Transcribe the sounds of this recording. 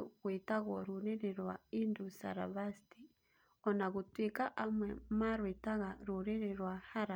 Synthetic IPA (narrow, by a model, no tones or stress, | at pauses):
ɣweːtaɣwɔɾuɾeɾeɾwaindusa̰ɾa̰βasti | ɔnaɣutwikaʔamwɛmaɾwetaɣaɾuɾeɾeɾwahaɾa